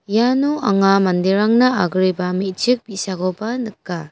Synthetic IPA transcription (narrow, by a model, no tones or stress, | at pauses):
januʔaŋamandeɾaŋnaaɡɾibamit̚t͡ʃik̚b̥isaɡɔbanɯkːa